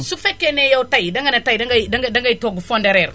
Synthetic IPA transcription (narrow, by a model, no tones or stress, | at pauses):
sufekːenejautaidaŋɡanataidaadadaŋɡaitoɡufondeɾeɾ